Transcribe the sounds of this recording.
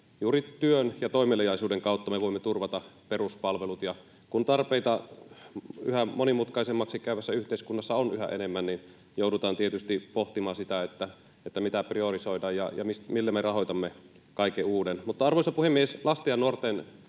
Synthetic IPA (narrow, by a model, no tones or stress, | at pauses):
juːɾit̪yønjɑt̪oimelːejɑisuːdeŋkɑˑut̪ːɑmeʋoimːet̪urʋɑt̪ɑperuspɑlʋelut̪jɑ | kunt̪ɑrpeit̪ɑ | y̰hæmonimut̪kɑisemːɑksikæyʋæsːæyht̪eiskunːɑsːɑonyhæ̰ʔḛnemːænnin | joudut̪ɑːnt̪iet̪yst̪ipoht̪imɑːsit̪æet̪ːæ | et̪ːæmit̪æpriorisoidɑːjjɑjɑ̰mismilːæmerɑɦojt̪ɑmːe | kɑikːeuːdenmut̪ːɑɑrʋoisɑpuhemːieslɑst̪ejɑnuort̪en